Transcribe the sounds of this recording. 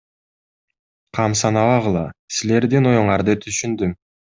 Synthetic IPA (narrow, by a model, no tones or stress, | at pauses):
qʰɑmsɑnɑβɑʁɯlˠɑsile̞ɾd̪ino̞juɴɑɾd̪ɯt̪ʰyʃynd̪ym